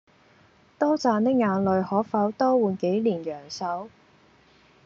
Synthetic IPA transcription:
t̪ɔː˥t͡saː˨˧nt̪ɪ˥k̚ŋaː˨˧nlɵ˨˧ɥhɔː˨˥faː˨˥wt̪ɔː˥wuː˨nke˨˥jliː˨˩njœː˨˩ŋsɐ˨˥w

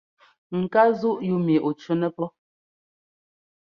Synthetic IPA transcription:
ŋ̩˨ka˦zu˦ʔju˦mi˨ʔo˨t͡ʃu˦nɛ˦pɔ˦

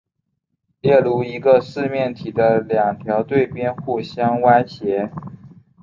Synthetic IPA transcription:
ljɛ˥˩lu˧˥˩i˧˥ɡə˧ʂɹ̩˥˧mjɛ˥˩nt̪ʰi˨˩d̪ə˦ljɑ˨˩ŋt̪ʰjɑ˧˥ʊt̪we˥˩ɪpjɛ˥nxu˥˩ɕjɑ˥ŋwa˥nɕjɛ˧˥

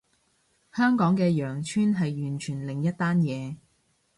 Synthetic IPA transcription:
hœː˥ŋkɔː˨˥ŋkɛː˧jœː˨˩ŋt͡ʃʰyː˥nɦɐ˨jɥyː˨˩nt͡ʃʰyː˨˩nlɪ˨ŋjɐ˥t̚t̪ːaː˥njɛː˨˧

